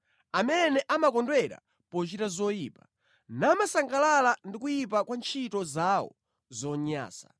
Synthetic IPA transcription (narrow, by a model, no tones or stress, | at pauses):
amɛnɛʔamakɔndwɛɾa̰ | pɔt͡ʃitazɔjiːpḁ | naːmasaŋɡalalandikujip̬akwant͡ʃʰitɔzawɔ̰ | zɔɲa̰ːsa